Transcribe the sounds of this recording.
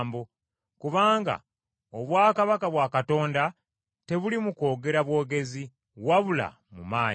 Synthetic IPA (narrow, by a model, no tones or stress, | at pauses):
mbo | kuβaːŋɡa̰ | oβwaːkaβakaβwakato̞ːnda | te̞βulimuko̞ːɡe̞ɾaβwo̞ːɡe̞zi | waβula̰ | mṵmaːɲ